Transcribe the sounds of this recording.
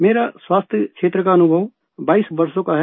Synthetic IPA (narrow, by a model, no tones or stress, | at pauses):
meːɾaswaːst̪ʰjəkʃʰeːt̪ɾəkaːnubʱəʋ | baːisbəɾsõkaɦɛ